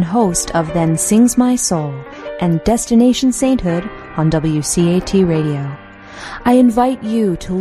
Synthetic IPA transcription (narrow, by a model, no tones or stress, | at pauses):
nɦoʊstʰʌvðɨ̃nsɪ̃ŋzmaɪsoʊlˠ | ʔɨ̃ndɛstɨneɪʃn̩sẽɪ̃nʔhʊɾ̃ | n̩dʌbl̩ˠjʉsieɪtʰiɹeɪɾioʊ | ʔaɪɨ̃ɱvaɪt͡ʃɨɾʰəl